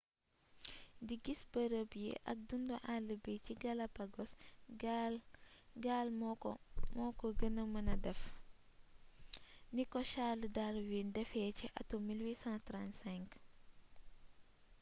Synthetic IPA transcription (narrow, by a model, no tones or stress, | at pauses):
diɡisbəɾəbjḭʔɐ̰k̚dundɔʔaləbiciɡɐlɐpɐɡɔs | ɡalmmɔkɔɡənəmɐnɐdɛf | nikɔʃalədaɾwindɛfɛːciʔɐtomilwiːsãtɾãntsɛ̃ŋk